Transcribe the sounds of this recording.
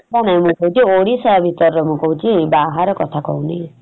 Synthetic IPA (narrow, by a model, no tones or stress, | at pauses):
danaĩmũkɔũt͡ʃʰioɽisɔjabʱit̪ɔɾɔɾɔmũkɔɦũt͡ʃʰibaɦaɾɔkɔt̪ʰakɔ̰ɦũni